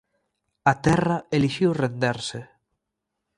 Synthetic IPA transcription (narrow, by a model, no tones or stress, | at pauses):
at̪ɛraeliʃiwrend̪eɾse